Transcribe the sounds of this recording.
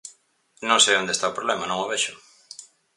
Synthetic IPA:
nõŋsejõnd̪est̪aopɾoβlɛmɐnõŋoβɛʃʊ

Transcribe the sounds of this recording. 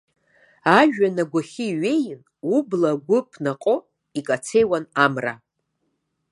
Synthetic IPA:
aʒᶣanaɡʷaχʲiɥe̞jɪn | ublaɡʷʊpʰnaqʼo | ikʼat͡sʰe̞jwanamra

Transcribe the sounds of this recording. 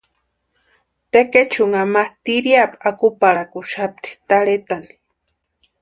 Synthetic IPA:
t̪eket͡ʃuŋamaht̪iɾjapakupaɽakuʃap̚t̪i̥t̪aɺet̪ani̥

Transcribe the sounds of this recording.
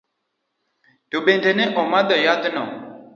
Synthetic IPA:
tobendeneʔɔ̃mãd̪ɔjad̪ənɔ̰

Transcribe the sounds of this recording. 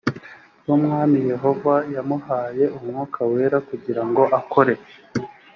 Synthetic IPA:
jumŋaːmije̞ɦo̞vajamuhaːje̞umŋuːkʰawe̞ːɾakuɟiɾaŋɡo̞ʔako̞ɾe

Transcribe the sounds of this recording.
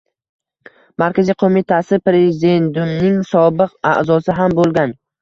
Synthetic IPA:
maɾkʲazijqʰomɪt̪ʰasɪpɾe̞zɪd̪e̞nd̪umnɪŋsɒbɪqa̰ʔzɒsɪɦambolˠɡʲan

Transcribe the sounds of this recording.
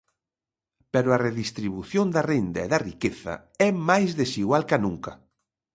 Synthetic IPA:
pɛɾʊɐreðist̪ɾiβuθjond̪ɐrend̪ɐeðɐrikeθɐ̰ | ɛmajzðesiɣwalkɐnũŋkɐ

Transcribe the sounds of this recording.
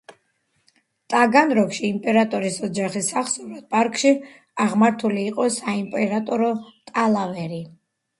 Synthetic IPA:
t̪ʼaɡanɾɔkʃiːmpʼɛɾat̪ʼɔɾisɔd͡ʒaχisaχsɔvɾad̪̥̚pʼaɾkʼʃi | aʁmaɾt̪ʰuliːqʼɔsaimpʼɛɾat̪ʼɔɾɔt̪ʼalˠavɛɾi

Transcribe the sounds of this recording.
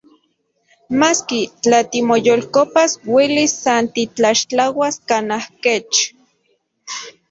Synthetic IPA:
maskit͡ɬat̪imojolkopaswelisːant̪it͡ɬaʃt͡ɬawaskanahket͡ʃ

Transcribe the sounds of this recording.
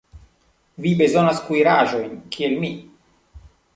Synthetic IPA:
vibe̞zo̞naskujɾaʒo̞jnkʰie̞lmi

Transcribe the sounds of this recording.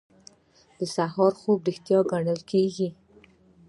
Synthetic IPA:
d̪̥əsaɦɑɾxobɾixt̪jɑɡaɳəlkʰeɡi

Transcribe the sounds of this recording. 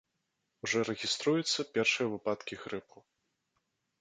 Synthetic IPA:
wʐɔɾɛɣʲist̪ɾujɛt̪sːɐpʲɛrʂɨjɐvɨpat̪kʲiɣɾɨpu

